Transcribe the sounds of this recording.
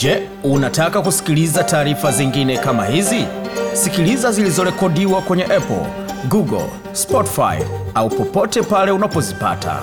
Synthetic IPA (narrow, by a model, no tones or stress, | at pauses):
d͡ʒɛ | unatakakusi̥kilizataːɾifaziŋɡinɛkama̰hizisikilizazilizɔɾɛkɔɗiwakwɛɲɛʔɛpɔ̰l | ɡuɡɔ̰l | spɔti̥fa̰j̰aupɔpɔtɛpalɛunapɔzipa̰tʰa̰